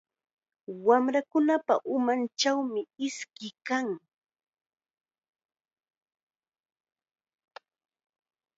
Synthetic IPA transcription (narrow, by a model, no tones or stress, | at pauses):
wamɾakʊnapa̰ʔʊmant͡ʃawmɪɪskɪkaŋ